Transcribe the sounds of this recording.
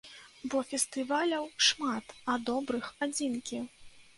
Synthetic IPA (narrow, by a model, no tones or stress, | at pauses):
bɔfʲɛst̪ɨvalʲɐwʂmat̪ɐd̪ɔbɾɨxad͡zʲinkʲi